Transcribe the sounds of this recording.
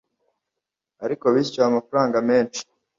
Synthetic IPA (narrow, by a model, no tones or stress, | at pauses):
aɾiko̞βiːscuaːmafaɾaːŋɡame̞ːnt͡ʃi̥